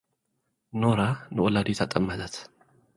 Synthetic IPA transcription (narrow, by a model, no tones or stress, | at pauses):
noɾanɨwɔlad̪et̪ʰat̪ʼəmːət̪ət̪